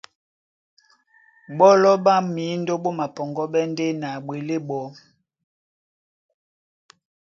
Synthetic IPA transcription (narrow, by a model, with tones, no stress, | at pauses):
ɓɔ˦lɔ˦ɓa˦mi˨˦ndo˦ɓo˦ma˨pɔ˨ŋɡɔ˦ɓɛ˦nde˦na˨ɓwe˨le˦ɓɔ˨˦